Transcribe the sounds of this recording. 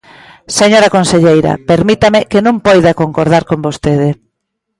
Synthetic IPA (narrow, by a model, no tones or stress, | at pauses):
seɲoɾɐkonseʎejɾɐ̰peɾmit̪amɪkenũmpojðakoŋkoɾð̞aɾkombost̪eð̞ɪ